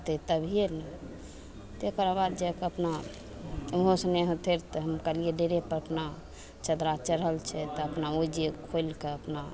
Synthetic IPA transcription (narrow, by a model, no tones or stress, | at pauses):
t̪et̪əbʱienɛ | t̪ekəɾabad̪d͡ʒekəpna | mɦosneɦə̃t̪ʰeɾt̪ɔɦəmkalieɖeɾepəɾəpna | t͡ʃəd̪ɾat͡ʃəɾɦəlt͡ʃʰɛt̪ɔəpnaod͡ʒekʰojlkeəpna